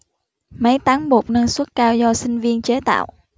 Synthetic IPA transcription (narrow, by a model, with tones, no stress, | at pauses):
mə˨˦jt̪aː˨˦ŋɓu˨˩t̚nə˧nswə˦˥t̚kaː˧wzɔ˧sï˧ŋ̟vi˧ənt͡ɕe˨˦t̪a̰ː˧˨wʔ